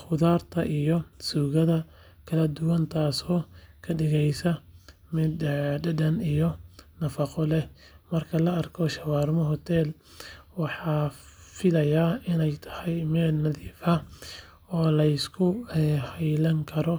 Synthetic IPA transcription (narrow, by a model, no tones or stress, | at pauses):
χʊðaːrt̪ʰɐʔijɔsuːɣɐðɐ | kʰɐlɐd̪ʊwɐnt̪ʰaːsɔːkʰɐɖɪɣɛjsɐmɪd̪ɖɐdɐnijɔnɐfɑqɔlɛ | mɐrkʰɐlɐɐrkʰɔʃɐwɑːrmɔɦɔt̪ʰɛl | wɑħɑːfɪlɐjaːɪnɛjt̪ʰɐ̥hɛjmɛːlnɐðiːfɐ | ɔːlɐɪskʰʊɛhɛjlɐŋkʰɐɾɔ